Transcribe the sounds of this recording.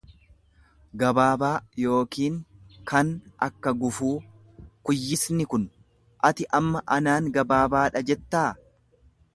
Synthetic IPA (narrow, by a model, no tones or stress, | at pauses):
ɡɐbaːbaːjo̞ːkiːŋkɐnʔɐkːɐɡʊfuː | kʊjːɪsnɪkʊn | ʔɐt̪ɪʔɐmːɐʔɐnaːŋɡɐbaːbaːᶑɐd͡ʒɛt̪ːaː